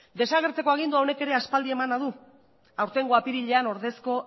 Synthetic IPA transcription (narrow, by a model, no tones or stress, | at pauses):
d̪e̞saɣe̞ɾt͡seko̞aɣ̞ind̪uaone̞ke̞ɾe̞aspald̪ie̞manað̞u | awɾt̪e̞ŋɡoapiɾiʎe̞ano̞ɾðe̞sko̞